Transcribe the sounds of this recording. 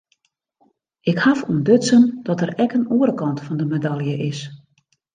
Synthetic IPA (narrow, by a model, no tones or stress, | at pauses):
ɪkhafuəndøtsənd̥ɔtərɛkənuəɾəkɑntfɔndəmedalˠjəʔɪs